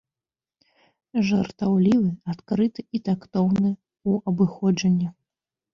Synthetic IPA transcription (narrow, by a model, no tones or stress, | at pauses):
ʐɐrt̪awlʲivɨat̪kɾɨt̪ɨit̪akt̪ɔwnɨ | uɐbɨxɔd͡ʐɐnʲːɐ